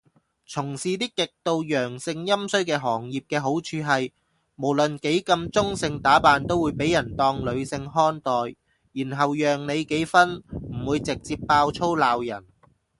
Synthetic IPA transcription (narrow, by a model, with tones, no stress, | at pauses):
t͡sʰʊ˨˩ŋsiː˨t̪iː˥kːɪ˨k̚t̪o˧wjœː˨˩ŋsɪ˧ŋjɐ˥msɵ˥ɥkɛː˧ɦɔː˨˩ŋjiː˨p̚kɛː˧ɦo˨˥wt͡ʃʰyː˨˧ɦɐ˨j | mo˨˩wlɵ˨nke˨˥jkɐ˧mt͡sʊ˥ŋsɪ˧ŋt̪aː˨˥paː˨nt̪o˥wuː˨˧jpe˨˥jɐ˨˩nt̪ɔː˧ŋlɵ˨˧ɥsɪ˧ŋɦɔː˥nt̪ɔː˨j | jiː˨˩nɦɐ˨wjœː˨ŋne˨˧jke˨˥jfɐ˥nm̩˨˩wuː˨˧jt͡sɪ˨k̚t͡siː˧pːaː˧wt͡sʰo˥wlaː˨˧wjɐ˨˩n